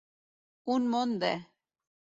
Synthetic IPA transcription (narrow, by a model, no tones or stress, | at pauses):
unmond̪ḛ